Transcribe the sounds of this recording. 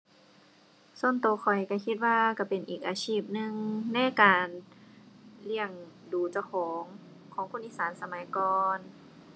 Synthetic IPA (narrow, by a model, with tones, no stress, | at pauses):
so˧˥˨nt̪oː˧˦kʰɔ˨˩jka˧˩kʰi˧t̪̚waː˧ka˧˩pe˨nʔiː˨k̚ʔaː˨˧sʰiː˧˥˩p̚nɯ˧ŋna˧˥˨jkaː˨˩n | li˧əŋ | duː˨˩t͡ɕa˧kʰɔː˨˦ŋ | kʰɔː˨˦ŋkʰu˧˥˨nʔiː˧˥˨saː˨˦nsa˧ma˨˦jkɔː˧n